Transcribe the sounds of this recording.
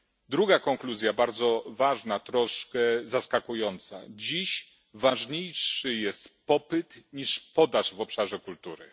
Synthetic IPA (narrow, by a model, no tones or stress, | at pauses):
d̪ɾuɡakɔŋkluzʲjabaɾd̪zɔvaʐnat̪ɾɔʂkɛzaskakujɔnt̪sa̰d͡ʑiɕ | vaʐɲejʂɘjɛst̪pɔpɘt̪ɲiʂpɔd̪aʐvɔpʂaʐɛkult̪uɾɘ̰